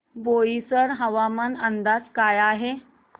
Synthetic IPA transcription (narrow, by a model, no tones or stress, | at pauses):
boisəɽɦəʋamənənd̪ad͡zkajaɦe